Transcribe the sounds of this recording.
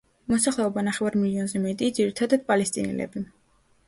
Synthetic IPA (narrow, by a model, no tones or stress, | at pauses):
mɔsaχlɛɔbanaχɛvaɾmiliɔnzɛmɛt̪ʼid̪ziɾit̪ʰad̪ad̪̥̚pʼalɛst̪ʼḭnɛ̰lɛ̰bi